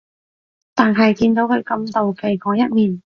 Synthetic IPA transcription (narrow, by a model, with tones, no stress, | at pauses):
t̪aː˨nɦɐ˨jkiː˧nt̪o˨˧˥wkʰɥkɐ˧mt̪o˨wkʰe˨˩jkɔː˨˥jɐ˥t̚miː˨˩n